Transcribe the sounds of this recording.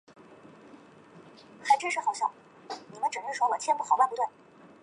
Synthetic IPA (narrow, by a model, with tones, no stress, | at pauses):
xa˧˥ɪʈ͡ʂɻ̩˥ʂɻ̩˧xo˥˩ʊɕjɑ˥˩ʊ | ni˨˩mə˦nʈ͡ʂɻ̩˨˩ʂ̩˥˩ʂwɔ˥wɔ˨˩t͡ɕʰjɛ˥npu˥˩xɑ˨˩ʊwa˥˩npu˧˥t̪wa˥˩n